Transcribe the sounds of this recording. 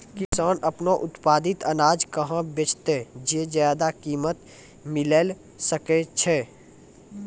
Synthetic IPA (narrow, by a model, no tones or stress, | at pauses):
kɪsaːnʔəpnoʔʊt̪paːd̪ɪt̪ənaːd͡ʒkəɦãbet͡ʃʰt̪ed͡ʒed͡ʒjaːd̪akiːmət̪ | mɪleːl | səket͡ʃʰɛː